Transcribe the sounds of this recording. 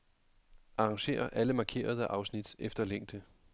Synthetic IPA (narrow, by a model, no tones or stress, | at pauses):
ʔɑ̈ɑ̈ŋɕe̝̰ːɐʔæləmɑ̈ːkʰe̝̰ːɐð̞ˠəʔɑ̈ʊsnid̥efd̥ɐleŋ̰d̥ə